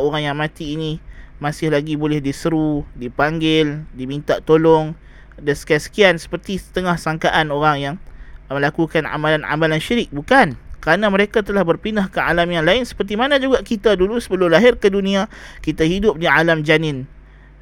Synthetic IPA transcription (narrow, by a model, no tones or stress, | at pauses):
oɾaŋjaŋmãt̪iːnimasɪhlaɡibolɛhdisəɾudipaŋɡɪldimint̪aʔt̪olɔŋ | dəsə̥kasə̥kiansə̥pərt̪isə̥t̪əŋahsaŋkaʔanoɾaŋjaŋməlakukana̰malana̰malanʃiɾɪk̚bukankəɾanaməɾekat̪əlahbərpinahkəalamjaŋlaɪnsə̥pərt̪imanãd͡ʒuɡaʔkit̪adulusəbəlʊmlaɦɪrkədunĩakit̪aɦidʊp̚diʕalamd͡ʒanɪn